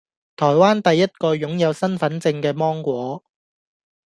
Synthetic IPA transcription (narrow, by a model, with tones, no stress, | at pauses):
t̪ʰɔː˨˩jwaː˥nt̪ɐ˨jːɐ˥t̚kɔː˧jʊ˨˥ŋjɐ˨˧wsɐ˥nfɐ˨˥nt͡sɪ˧ŋkɛː˧mɔː˥ŋkʷɔː˨˥